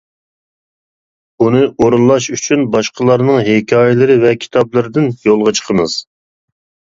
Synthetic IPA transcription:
bunɨʔoɾunlˠɑʃyt͡ʃʰynbɑʃqəlˠɑɾnɨŋɦekʲʰɑːjɪlˠɨɾɨvɛkʲʰi̥t̪ʰɑblˠɨɾɨd̪ɪnjolˠʁɑt͡ʃʰə̥qʰəmɨz̥

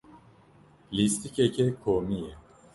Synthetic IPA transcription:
list̪icecɛkʰomije

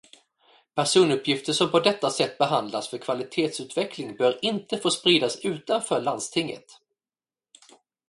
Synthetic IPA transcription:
pʰæʂuːnɵpʰːjɪft̪əʂɔmpʰɔd̪ɛt̪ːasɛt̪ːbɛɦand̪lasfœɾkʰvalɪt̪ʰeːt̪sʉ̟ːt̪vɛkʰlɪŋbœːɾɪnt̪əfoːspɾiːd̪asʉ̟ːt̪anfœːɭand̪st̪ʰɪŋːə̰t̪

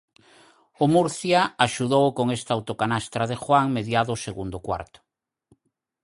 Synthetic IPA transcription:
ʊmuɾθjaaʃuðowkoŋest̪aawt̪okanast̪ɾaðexwaŋmeðjaðʊseɣund̪ʊkwa̰ɾt̪ʊ̥

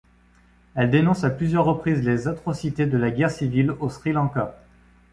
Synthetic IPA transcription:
ɛld̪enɔ̃saplyzjœʁːəpχizlezat̪χɔsit̪ed̪əlaɡʲɛʁsivilosχilɑ̃ka

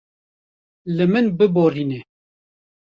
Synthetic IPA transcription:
lɨmɨnbɨboːriːne

